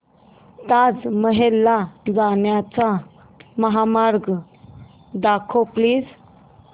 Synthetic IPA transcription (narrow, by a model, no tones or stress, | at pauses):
t̪ad͡zməɦelːad͡zaɳjat͡sa | məɦamaɾɡ | d̪akʰopliːd͡z